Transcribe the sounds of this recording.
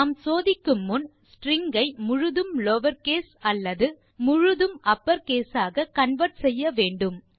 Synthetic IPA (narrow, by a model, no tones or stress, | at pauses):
msoːðɪkːɯmːʊn | sʈɾɪŋɡɐɪmʊɻʊðɯmlɔʋɐɾkeːsɐlːɐðɯ | mʊɻʊðɯmʔɐpːɐɾkeːsaːɣɐkɐɳʋɐɾʈsɛjːɐʋeːɳɖɯm